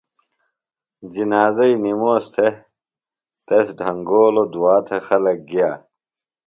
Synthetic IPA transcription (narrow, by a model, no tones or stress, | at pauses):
d͡ʑinaːzɐinimoːst̪ʰe | t̪esɖʱɐŋɡoːlod̪uwaːt̪ʰexɐlɐk̚ɡijaː